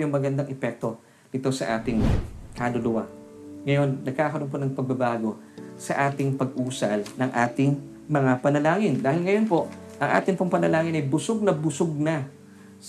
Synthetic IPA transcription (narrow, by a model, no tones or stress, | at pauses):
jʊŋmɐɡɐnd̪aŋʔɛpɛk̚t̪o̞ | ɪt̪o̞sɐʔaːt̪ɪŋkalʊlʊwa̰ŋɐjo̞nːɐɡ̚kaːkɐɾonp̬onɐŋpɐɡ̚bɐbaːɡo̞ | sɐʔaːt̪ɪŋpɐɡʔuːsɐlnɐŋʔaːt̪ɪŋ | mɐŋapɐnɐlaːŋɪnd̪aːhɪlŋɐjo̞npo̞ʔʔɐŋʔa̰ːt̪ɪŋpʊŋpɐnɐlaːŋɪnɐjbʊsoɡ̚nɐbʊsoɡ̚nɐ | s